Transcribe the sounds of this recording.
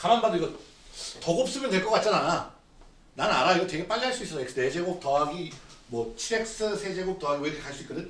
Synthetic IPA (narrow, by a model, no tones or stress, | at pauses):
kamanbadʌiɡʌ | tʌɡop̚s͈ɯmjʌntweɭk͈ʌk͈at̚t͡ɕ͈anana | nanaɾaiɡʌtwe̞ɡe̞p͈aʎːiɦaɭs͈uis͈ʌs͈ʰʌeks͈ɯne̞d͡ʑe̞ɡok̚tʌaɡimwʌt͡ɕʰiɾek̚s͈ɯsʰe̞d͡ʑe̞ɡok̚tʌaɡiweɾeaɭs͈uik͈ʌdɯ